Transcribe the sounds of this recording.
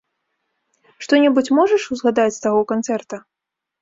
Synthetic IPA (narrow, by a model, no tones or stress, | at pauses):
ʂt̪ɔnʲɛbut͡sʲmɔʐɐʂuzɣad̪at͡sʲst̪aɣɔwkant̪sɛrt̪ɐ